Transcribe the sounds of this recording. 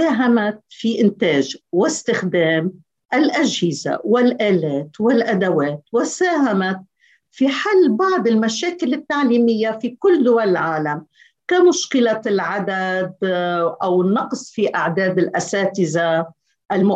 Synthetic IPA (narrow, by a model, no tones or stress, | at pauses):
aːɦamat̪̚fiʔɪnt̪eːʒwɪst̪ɪxd̪eːm | ʔalʔaʒhɪza̰wɪlʔaːleːt̪wɪlʔad̪aweːt̪wɪsaːɦamat̪̚ | fiħalːbɑʕd̪ˤɪlmaʃaːkɪlɪt̪ːaʕliːmɪjːafikʊlːd̪ʊwalɪlʕaːlam | kamʊʃkɪlalʕad̪ad̪ʔawɪnːɑqsˤfiʔaʕd̪eːd̪ɪlʔasaːt̪ɪza | ʔɪlmʊ